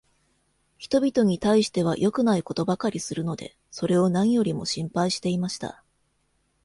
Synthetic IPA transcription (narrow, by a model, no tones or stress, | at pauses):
çi̥t̪o̞bʲit̪o̞ɲ̟it̪aiɕi̥t̪e̞β̞ajʔo̞kɯ̟naiko̞t̪o̞bakaɾʲisɨɾɯ̟no̞d̪e̞̰ | so̞ɾe̞o̞nãɰ̃jo̞ɾʲimo̞̰ɕĩmpaiɕi̥t̪e̞imaɕi̥t̪a̰